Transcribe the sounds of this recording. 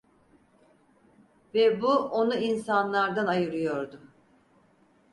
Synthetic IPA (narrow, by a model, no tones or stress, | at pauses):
vɛbuo̞nuinsanlˠaɾd̪anajɯɾɯjo̞ɾd̪ʊ